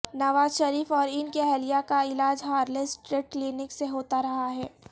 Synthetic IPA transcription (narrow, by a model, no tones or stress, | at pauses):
nɐʋaːzʃɐɾiːfɔːɾɪnkeɦɛlijakaɪlaːd͡ʒɦaːɾlesʈɾeːʈ̚klinɪkseɦoːt̪aɾɐɦaɦɛː